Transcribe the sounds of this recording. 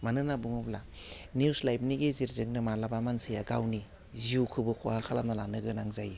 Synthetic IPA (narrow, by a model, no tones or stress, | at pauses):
manɯnabuŋɯbla | niuslajb̚niɡeziɾzɯŋnɯmalabamansɯjaɡawni | ziukʰɯbɯkʰohakʰalamnalanɯɡɯnaŋzaji